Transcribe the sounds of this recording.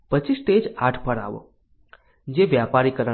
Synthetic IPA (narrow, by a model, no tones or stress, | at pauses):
pət͡ʃisʈed͡ʒaʈʰpəɾa̰ʋo̰ | d͡ʒeʋjapaɾikəɾə